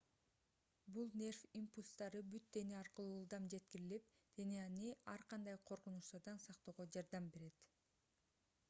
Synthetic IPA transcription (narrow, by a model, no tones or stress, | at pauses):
bulˠnʲe̞rfimpulʲst̪ɑɾɯbyt̪̚d̪e̞neɑɾqɯlˠuːlˠd̪ɑmd͡ʒe̞t̪kiɾilip̚ | d̪̥e̞neɑniɑɾqɑnd̪ɑjqʰo̞ɾqunuʃt̪ɑɾd̪ɑnsɑqt̪o̞ːʁod͡ʒɑɾd̪ɑmbe̞ɾe̞t̪